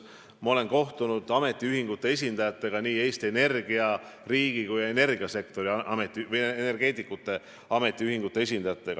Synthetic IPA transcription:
mɑo̞le̞nko̞ht̪unud̪̥ɑme̞t̪ːˑiyɦiŋɡ̥ut̪ːˑe̞e̞sʲind̪̥ɑjɑt̪ːˑe̞ɡ̥ɑniːe̞ːst̪iene̞rɡ̥iɑ | riːɡ̥ikuje̞ne̞rɡ̥iɑse̞kt̪o̞ɾiɑmet̪ːˑivɯjene̞rɡ̥e̞ːt̪ˑikːˑut̪ːˑe̞ | ɑme̞t̪ːˑiyhiŋɡut̪ːˑe̞e̞sʲind̪̥ɑjɑt̪ːˑe̞ɡ̥ɑ

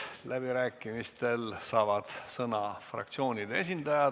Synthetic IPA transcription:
læbiɾæːkːˑimist̪e̞lsɑːvɑd̪̥sɤnɑfrɑ̰k̚t̪sio̞ːnʲid̪ees̬ʲind̪ɑjɑ

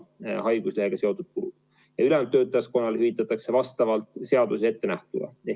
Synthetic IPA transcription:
hɑjɡ̥usleheɡ̥ɑseot̪ut̪̚kuɾṵ̥ | jɑylɛmt̪ːø̞ːt̪ːˑɑjɑsko̞nːɑlhyvit̪ːˑɑt̪ːˑɑkse̞vɑst̪ɑvɑlt̪ˑse̞ɑd̪usee̞t̪ːenæht̪ud̪ɑ̰e

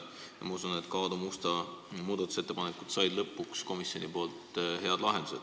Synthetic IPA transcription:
jɑ̰mɑusunet̪kɑːd̪umust̪ɑmuːd̪ɑt̪ːˑu̥set̪ːepɑnekːˑud̪̥sɑjd̪̥lɤpːˑuksko̞misjonipo̞ːlt̪ɦe̞ɑd̪lɑɦend̪̥use̞d̪̥

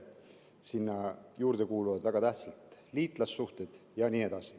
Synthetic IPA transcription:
sinːɑjuːɾd̪̥e̞kuːluvɑd̪væɡ̥ɑt̪æht̪sɑlt̪liːt̪ˑlɑsːuht̪e̞d̪̥jɑniːe̞d̪̥ɑsi

